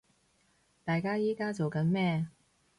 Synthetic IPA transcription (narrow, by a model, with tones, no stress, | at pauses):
t̪aː˨jkaː˥jiː˥kaː˥t͡so˨wkɐ˨˥nmɛː˥